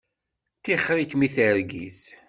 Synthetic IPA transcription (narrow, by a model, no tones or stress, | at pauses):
θiχːɾikmiθəɾɡḭθ